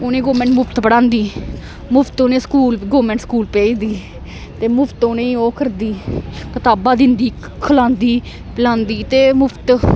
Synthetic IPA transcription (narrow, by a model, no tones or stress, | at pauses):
ʊnẽːɡoːmɛ̃ːɳʈmʊpʰt̪pəɽãːnd̪iː | mʊpʰt̪oːnẽːskuːlɡoːmɛ̃ːɳʈskuːlpɛːiːd̪iː | t̪eːmʊpʰt̪onẽːoːkəɾd̪iːpət̪aːbaːd̪ɪnd̪iː | kʰəlãːnd̪iː | pɪlãːnd̪iːt̪eːmʊpʰt̪